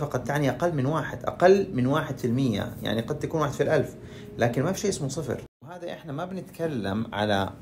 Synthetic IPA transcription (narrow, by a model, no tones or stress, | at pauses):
ɑqɑt̪ːaʕniʔaqalːmɪnwaːħɪd̪ʔa̰qalːmɪnwaːħɪd̪fɪlmɪjːa̰ja̰ʕniqɑd̪̚ːakuːnwaːħɪd̪filʔalf | laːkɪnmafiʃeːʔɪsmusˤɨfɾwhaːd̪aʔɪħnamabnɪt̪kalːamʕa̰la̰